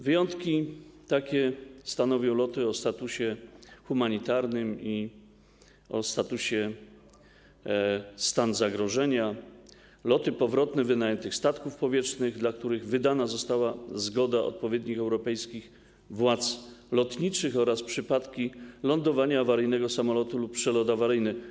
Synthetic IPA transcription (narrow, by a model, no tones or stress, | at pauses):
vɘjɔnt̪kʲit̪akʲɛst̪anɔvʲjɔ̃w̃lɔt̪ɘɔst̪at̪uɕɛxumaɲit̪aɾnɘmi | ɔst̪at̪uɕɛ | st̪anzaɡɾɔʐɛɲa | lɔt̪ɘpɔvɾɔt̪nɛvɘnajɛnt̪ɘxst̪at̪kufpɔvʲjɛt͡ʂnɘɣd̪lakt̪uɾɘɣvɘd̪anazɔst̪awazɡɔd̪aɔ̰t̪̚pɔvʲjɛd̪ɲixɛwɾɔpɛjskʲix | vwat̪slɔt̪ɲit͡ʂɘxɔɾaspʂɘpat̪kʲilɔnd̪ɔvaɲaːvaɾɘjnɛɡɔsamɔlɔt̪uluppʂɛlɔd̪avaɾɘjnɘ